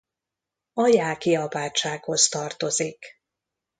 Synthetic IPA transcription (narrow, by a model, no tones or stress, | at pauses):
ɒjaːkiɒbaːt͡ʃːaːkho̞st̪ɒrt̪o̞zik